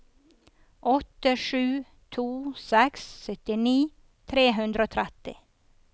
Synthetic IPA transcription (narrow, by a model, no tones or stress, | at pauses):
ʔɔt̪ːəʂʉː | t̪ʰuːsɛksːœt̪ɪniː | t̪ʰɾeːɦʉnd̪ɾəoːt̪ʰɾɛt̪ɪ̰